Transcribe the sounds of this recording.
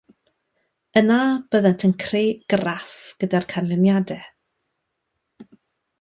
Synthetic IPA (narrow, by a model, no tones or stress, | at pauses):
ənab̥əðəntʰənkʰreːɡ̥ərafɡ̥ədarkʰanlɪnjadɛ